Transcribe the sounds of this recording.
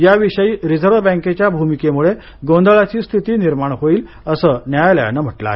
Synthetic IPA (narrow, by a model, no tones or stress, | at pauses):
jaʋiɕəjiːɾid͡zəɾʋəbə̃ŋket͡ɕjabʱumikemuɭe | ɡõnd̪əɭat͡ɕiːst̪ʰit̪iːniɾmaɳ̃ɦoiːl | əsəːnjajlja̰nəm̤əʈla̰